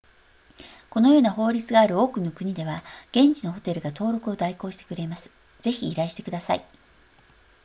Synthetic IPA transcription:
ko̞no̞jo̞ːnaɦo̞ːɾʲit͡sɨɡaːɾɯ̟o̞ːkɯ̟no̞kɯ̟ɲ̟id̪e̞βaɡ̥ẽ̞ɲt͡ɕino̞ɦo̞t̪e̞ɾɯ̟ɡat̪o̞ːɾo̞kɯ̟o̞d̪aiko̞ːɕi̥t̪e̞̥kɯ̟ɾe̞masɨ̥ | z̥e̞çiːɾaiɕi̥t̪e̞kɯd̪asa̰i

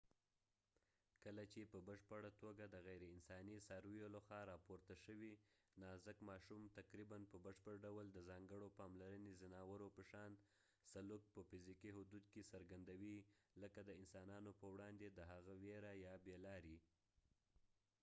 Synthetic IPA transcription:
kəlat͡ʃepəbəʃpəɽat̪oɡad̪əɣajɾeɪnsɑnisɑɾjoləxɑɾɑpoɾt̪aʃəwinɑzəkmɑʃumt̪aqɾibanpəbəʃpəɾɖawəld̪əzɑŋɡəɽopɑmlaɾənezanawəɾopəʃɑn | saluk̚pəfɪzikiɦʊd̪ud̪̚kesaɾɡand̪awiləkad̪əɪnsɑnɑnopəwɽɑnd̪ed̪əɦaɣaweɾajɑbelɑɾi

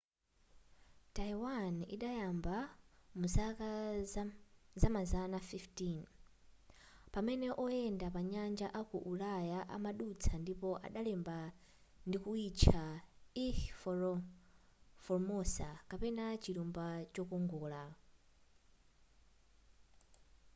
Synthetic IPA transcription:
taiwanḭɗajambamusaka | zamazanafiftin | pamɛnɛʔɔjɛndapaɲand͡ʒaʔakuʔulajaʔa̰maɗut͡sʰandipɔʔa̰ɗalɛmba | ndikuit͡ʃʰai | fɔɾmɔsakapɛnat͡ʃiɾumbat͡ʃɔkɔŋɡɔːla

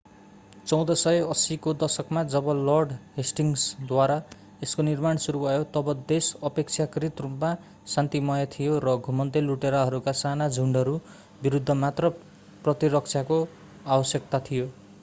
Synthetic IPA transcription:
t͡sʌw̃d̪ʌsʌjʌsikod̪ʌsʌkmad͡zʌbʌlʌrɖɦesʈiŋsd̪waɾa | eskonirmaɳsuɾubʱʌjot̪ʌbʌd̪esʌpek̚t͡sʰjakɾit̪rupma | sant̪imʌjʌt̪ʰijoɾʌɡʱumʌnt̪eluʈeɾaɦʌɾukasanad͡zʱuɳɖʌɾu | biɾud̪ʱːʌmat̪rʌ | prʌt̪iɾʌk̚t͡sʰjako | abʌsjʌkt̪at̪ʰijo

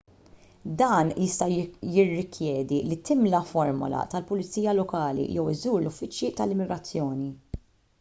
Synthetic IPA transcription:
d̪ɐːnjɪst̪ɐjɪrːɪkʰjɛːd̪ilit̪ɪmlɐfɔɾmʊ̰lɐ̰t̪ɐlpʊlɪt͡siːjɐlɔkɐːlḭjɛwɪzuːɾlʊfːɪt͡ʃjit̪ɐlɪmːɪɡɾɐt͡sːjɔːni

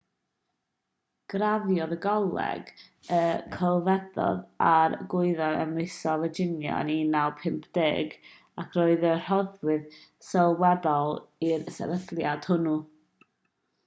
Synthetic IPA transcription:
ɡ̥ravjɔðəɡɔlˠɛ̰ɡəkʰəlˠvɛdɔ̰ðaɾɡʊɨðɔnə̰mesɔvəd͡ʒɪnjɔ̰ninawpʰɪmpʰd̥ɪɡ | akʰroɨðər̥ɔðwɨðsɛlˠwɛdɔlˠiɾəsɛ̰vəθlˠjad̥hʊnu

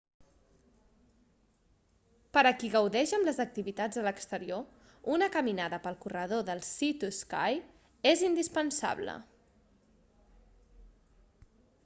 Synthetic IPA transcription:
pəɾəkiɣəwðɛʃəmləzək̚t̪iβit̪ad͡zələkst̪əɾio | unəkəminaðəpəlˠkurəð̞oðəlˠsit̪uska̰j | ezind̪ispənsa̰βlə̰

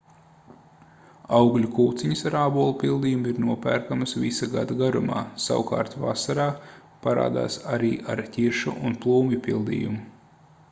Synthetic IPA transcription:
awɡlʲukuːt̪siɲɐsaɾaːbuːlˠupilˠd̪ijumiɾnuɔpæːɾkamɐsvisaɡad̪aɡaɾuma̰ːsa̰wka̰ːɾt̪va̰saɾaː | paɾa̰ːd̪a̰ːsaɾiːʔaɾtʲiɾʃuʔunplˠuːmjupilˠd̪ḭːjumu

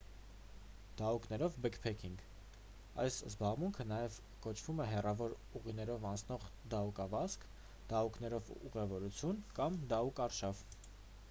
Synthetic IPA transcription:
d̪̥ɑuknɛɾɔvbɛkpʰɛkʰiŋɡ | ɑ̰jszbɑʁmuŋkʰən̪ɑjɛv | kɔt͡ʃʰvumɛɦɛrɑvɔɾ | uʁin̪ɛɾɔvɑnt͡sʰnɔʁd̪ɑukɑvɑsk | d̪̥ɑukʰnɛɾɔvuʁɛvɔɾut͡sʰjunkɑmd̪ɑukɑɾʃɑv

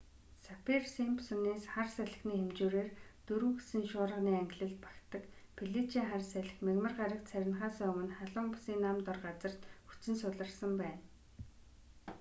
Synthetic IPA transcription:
sapʰirsimpsɵneːsχarsæɮɘ̆xniːxemt͡ɕuːɾeːrt̪ɵɾŭwɣesɘ̆nʃʊːɾə̆niːæŋɡɪ̆ɮɘ̆ɮt̪̚pḁkt̪ə̆k | pʰiɮit͡ɕiːŋχarsæɮɘ̆xmeɣmə̆rɢaɾʲə̆kt̪sæɾʲɪ̆nχaːsœːɵmɵ̆nχaɮʊmpʊsiːnːamt̪ɔrɢat͡sə̆r̥t̪xut͡sɘ̆nsʊɮə̆rsə̆mpæːn

